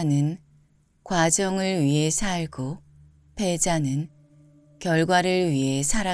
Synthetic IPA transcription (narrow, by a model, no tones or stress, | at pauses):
nɯn | kwad͡ʑʌŋɯɭɥiɦe̞sʰaɭɡo | pʰe̞d͡ʑanɯn | kjʌɭɡwaɾɯɭɥiɦe̞sʰaɾa